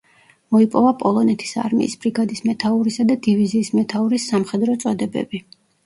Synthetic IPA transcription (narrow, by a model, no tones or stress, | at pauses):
mɔipʼɔvapʼɔlˠɔnɛt̪ʰi̥sa̰ɾmḭːsbɾiɡad̪ismɛt̪ʰauɾisad̪ad̪iviziːsmɛt̪ʰauɾisːamχɛd̪ɾɔt̪sʼɔd̪ɛbɛ̰bi